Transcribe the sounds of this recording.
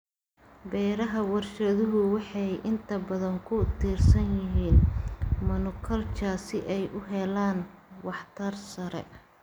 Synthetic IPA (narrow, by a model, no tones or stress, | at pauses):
bɛːɾɐɦɐwɑrʃɐðʊɦʊwɑħɑjʔɪnt̪ʰɐbɐðɐŋkʰʊt̪ʰiːrsɐnjɪɦiːnmɐnʊkʰɐlt͡ʃʰaːsɪʔɛjʔʊɦɛlaːnwɑħt̪ʰɐrsɐɾɛ̰